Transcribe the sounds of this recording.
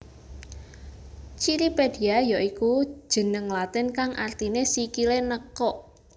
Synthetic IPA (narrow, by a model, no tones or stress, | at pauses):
t͡ʃiɾiped̥i̤ajɔʔiku̥ʒ̥ə̤nəŋlat̪ɪnkaŋʔart̪inesikilenəkɔʔ